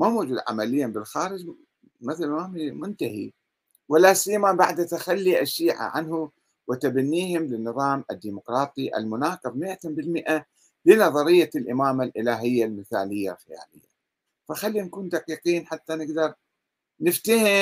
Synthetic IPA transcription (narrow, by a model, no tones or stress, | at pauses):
mamʊd͡ʒud̪ʕa̰malɪjːabɪlxaːɾɪd͡ʒ | mɪθalmamimʊnt̪ahḭ | walːasijːamabaʕd̪at̪axalːiʔaʃːiːʕa̰ʕa̰nhu | wɪt̪abanːiːhɪmlɪnːɨðˤɑːmʔɪd̪ːiːmʊqɾˤɑːt̪ˤiʔa̰lmʊnaːqɨbmɪʔat̪ambɪlmɪʔa | lɪnɑðˤɑɾɪjːalʔɪmaːmalʔɪlaːɦɪjːalmɪθaːlɪjːalxaja̰ːlɪjːa̰ | faxalːinkuːnd̪aqiːqiːnħat̪ːanɪɡd̪ɑɾˤ | nɪft̪ahɪ